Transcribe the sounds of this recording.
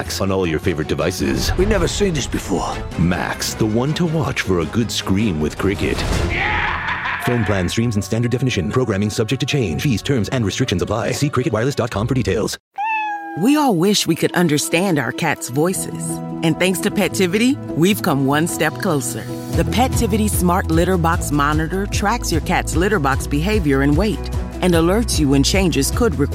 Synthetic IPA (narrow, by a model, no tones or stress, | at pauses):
ksn̩ɔlˠjə˞feɪvə˞ɨt̚d̥ɨva̰ɪsɪ̰z̥winɛvə˞sĩnðɪsb̥ɨfɔ̰ɹ | mæ̰ksðəwʌ̃ntʰəwɑ̰t͡ʃfə˞əɡʊdskɹĩmwɪð̥kʰɹ̥ɪkɨ̰t | fõʊ̃npʰl̥æ̃nstɹ̥ĩmzn̩stæ̃ndə˞dɛfɨnɪʃɨ̃npʰɹ̥oʊɡɹæ̃mɪ̃ŋsʌb̚d͡ʒɛk̚tʰɨt͡ʃʰẽɪ̃nd͡ʒiz̥tʰɜ̃˞mzɨ̃nɹɨstɹ̥ɪkʃɨ̃nzəpʰl̥aɪsikʰɹ̥ɪkɨt̚waɪɹlˠɨsdɑt̚kʰɑ̃mfə˞ditʰeɪlˠz̥ | wiɔlˠwɪʃwikʰɨɾʔʌ̃ndə˞stæ̃ndaʊə̰˞kʰætsvɔɪsɪ̰z̥ɨ̃nθæ̃ŋkstʰɨpʰɛtʰɪvɨɾiwiv̥kʰʌ̃mwʌ̃nstɛp̚kʰl̥oʊsə̰˞ | ðɨpʰɛtʰɪvɨɾismɑɹtˡlɪɾə˞bɑksmɑnɨɾə˞tʰɹ̥æksjə˞kʰætslɪɾə˞bɑksb̥ɨɦeɪvjə˞ɨ̃nweɪɾ | ɨ̃nəlɜ˞tsjɨɨ̃nt͡ʃʰẽɪ̃nd͡ʒɨz̥kʰəd̚ɹɨk